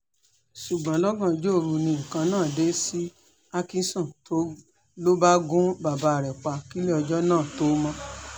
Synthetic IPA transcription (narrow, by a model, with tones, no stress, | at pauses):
ʃu˨ɡ͡bã˨˦lɔ˦ɡã˦˨d͡ʒo˦˨ɾu˧nĩ˧ĩ˨kã˧nãː˦˨de˦si˦ | a˦kĩ˧sɔ̃˦˨to˦ | lo˦ba˦ɡũ˦ba˨ba˧˨ɾɛ˨k͡pa˧ki˦le˦ɔ˧d͡ʒɔ˦nãː˦˨to˦mɔ̃˧˦